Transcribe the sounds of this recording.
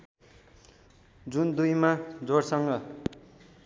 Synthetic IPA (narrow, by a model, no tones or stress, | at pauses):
d͡zund̪ujmad͡zorsʌŋɡʌ